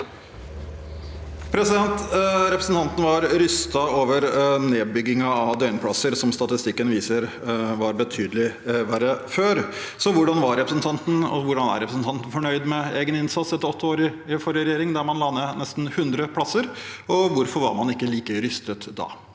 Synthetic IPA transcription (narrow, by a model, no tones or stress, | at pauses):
pʰɾɛsɪd̪ɛnt̪ɾɛpɾəsn̩t̪ɑnt̪n̩ʋɑɾɾʏst̪ɑoːʋəɾneːbʏɡːɪŋɑːʋd̪œʏnpʰlɑsəɾsɔmst̪ɑt̪ɪst̪ɪkːənʋiːsəɾ | ʋɑɾbət̪ʰyːd̪əlɪʋæɾəføːɾ | sɔʋʊɖɑnʋɑɾɾɛpɾəsnt̪ʰɑnt̪n̩ɔ̰ʋʊɖɑnæ̰ɾɛpɾəsn̩t̪ɑnt̪n̩fɔɳœʏd̪mɛeːɡənɪnsɑt̪sɛt̪ːəɔt̪ʰːəoːɾɪfɔɾəɾɛjeːɾɪŋd̪æɾmɑnlɑnːənɛst̪nhʉnd̪ɾəpʰlɑsːəɾɔʋʊɾfɔɾʋɑ̰ɾmɑnɪkːəliːkəɾʏst̪ət̪d̪ɑ̰ː